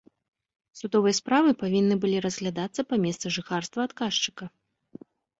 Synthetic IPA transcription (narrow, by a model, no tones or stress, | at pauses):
sud̪ɔvɨjɐspɾavɨpavʲinːɨbɨlʲiɾɐzɣlʲad̪at̪sːɐpamʲɛst̪sɨʐɨxarst̪vɐːt̪kaʂt͡ʂɨ̥kɐ